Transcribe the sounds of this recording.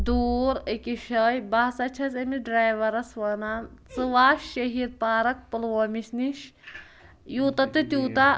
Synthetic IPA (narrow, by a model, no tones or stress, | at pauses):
d̪uːɾəkiʃɐjbɐɦsɐt͡ʃʰɐt͡sɐmiɖɾaːjʋɐɾɐsʋɐnaːnt͡sɨʋaːʃːɐɦiːɾ̚paːɾɐk̚pɨlʋɐːmiʃniʃ | juːt̪ɐt̪ɨt̪ʲuːt̪a